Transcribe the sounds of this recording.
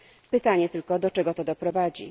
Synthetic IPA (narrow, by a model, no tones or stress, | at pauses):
pɘt̪aɲɛt̪ɘlkɔd̪ɔt͡ʂɛɡɔt̪ɔd̪ɔpɾɔvad͡ʑḭ